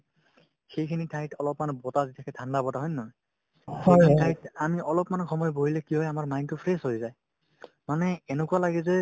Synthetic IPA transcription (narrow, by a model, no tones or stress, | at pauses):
xejkʰinitʰajtɔlɔpmanɔbɔtaditʰakʰɛtʰandabɔtaɦɔjnːɔj | sʰɔatʰajtamiɔlɔpmanɔkxɔmɔjboɦilɛkiɔjamaɹmajntupʰɹeshojzaj | manɛːnekualaɡɛzɛ